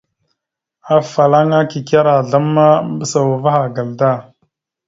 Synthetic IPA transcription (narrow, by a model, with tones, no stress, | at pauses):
a˦fa˨la˦ŋa˦ki˨ka˦ɾa˨ɮa˦mːa˦m˦bə˦sa˨wa˨va˦xa˨ɡa˨lda˦˨